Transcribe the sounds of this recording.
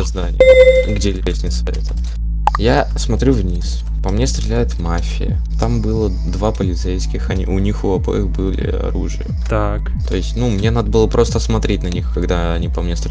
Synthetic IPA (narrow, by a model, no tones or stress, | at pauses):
zd̪anʲɪɡdʲelʲɾʲesʲnʲɪsvɐɾʲet̪ə̥ | jasmɐt̪ɾʲuvnʲis | pɐmnʲest̪ɾʲɪlʲæjʊt̪mafʲɪ̰jə̰ | t̪ambɨlˠə | d̪vapəlʲɪt̪sejskʲɪxɐnʲḭʔʊnʲixʊɐbo̰jəxbɨlʲɪ̰ɐ̰ɾuʐɨ̰jət̪a | k | t̪o̞ɪsʲtʲnumnʲe̞nad̪əbɨlˠəpɾʔo̞st̪əsmɐt̪ɾʲet̚ʲnɐnʲixkɐɡd̪aɐnʲipɐmnʲest̪ɾ